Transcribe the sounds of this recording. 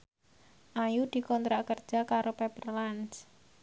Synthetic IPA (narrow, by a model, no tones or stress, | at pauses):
ʔajud̪̥i̤kɔnt̪ɾakərd̥ʒ̥a̤kaɾopepərlans